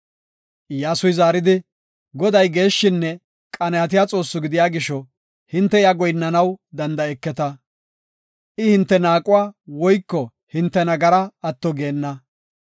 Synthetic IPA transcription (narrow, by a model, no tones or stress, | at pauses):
jaːsʊjzaːɾɪd̪ɪ | ɡɔd̪ɐjɡe̞ːʃːɪnːɛ | kʼɐnɐɐt̪̬ɪjaːt͡sʼo̞ːsːʊɡɪd̪ɪjaːɡɪʃɔ | hɪnt̪ːɛjaɡɔjnːɐnɐwd̪ɐnd̪ɐɛkːɛt̪ɐ | ʔɪhɪnt̪ːɛnaːkʼʊwaːwɔjkːɔ | hɪnt̪ːɛnɐɡɐɾɐɐt̪ːɔɡe̞ːnːɐ